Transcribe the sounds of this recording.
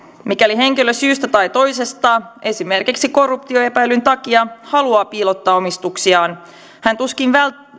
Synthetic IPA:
mikæliɦe̞ŋk̟iløsyːst̪æt̪ɑjt̪o̞jse̞st̪ɑːʔe̞sime̞rkiksiko̞rːupt̪io̞e̞pæjlynt̪ɑk̟iɑhɑluɑːpiːlot̪ːɑːo̞mist̪uksiɑːn | hænt̪uskinʋæl

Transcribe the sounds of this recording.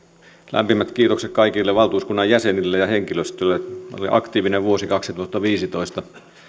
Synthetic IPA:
læ̰mpimæt̪kiːt̪oksek̚kɑikilːeʋɑlt̪uːskunːɑjjæsenilːejɑheŋkiløst̪ølːeo̰lḭʔɑ̰kt̪iːʋineʋʋuosikɑksit̪uɑt̪ːɑʋiːsit̪oist̪ɑ

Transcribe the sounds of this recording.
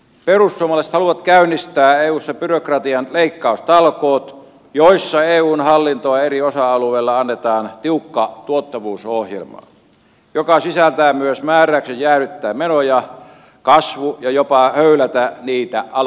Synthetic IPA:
perusːuomˑɑlɑiset̪hɑluʋɑt̪kæynːist̪æːeːuːsːɑpyrokrɑt̪iɑnleikːɑˑust̪ɑlkoːt̪ | joisːɑeːuːnhɑlːint̪oɑeriosɑɑlueːlːɑɑnːet̪ɑːnt̪iukːɑt̪uot̪ːɑʋuːsohjḛlmɑ̰ː | jokɑsisælt̪æːmyøsmæːrˑæyksejjæːryt̪ːæːmmenojɑ | kɑsʋujɑjopɑhøylæt̪æniːt̪æɑ

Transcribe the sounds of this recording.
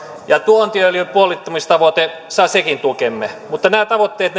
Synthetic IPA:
jɑt̪uont̪iølipuolit̪ːomist̪ɑʋot̪esɑsekint̪ukemːemut̪ːɑnæːt̪ɑʋot̪ːeːt̪n

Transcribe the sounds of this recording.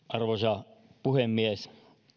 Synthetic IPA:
ʔɑrʋosɑpuhemːies

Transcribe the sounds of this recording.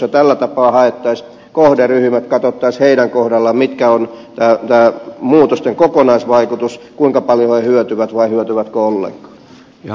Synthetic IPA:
set̪ælːæt̪ɑpɑːhɑet̪ːɑis | kohderyhymæt̪kɑt̪ot̪ːɑisheidæŋkohdɑlːɑmit̪kæont̪æːt̪æːmuːt̪ost̪eŋkokonɑisʋɑikut̪uskuiŋkɑpɑljohehyøt̪yʋæt̪ʋɑihyøt̪yʋæt̪koolːḛŋkɑ̥ː

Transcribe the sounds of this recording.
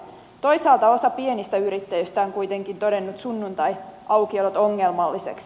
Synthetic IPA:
t̪o̞jsɑːlt̪ɑo̞sɑpie̞nist̪æyɾit̪ːæjøst̪æoŋkujt̪e̞ŋkint̪o̞de̞nːut̪sunːunt̪ɑjʔɑwk̟iolot̪o̞ŋːelmɑlːisḛks

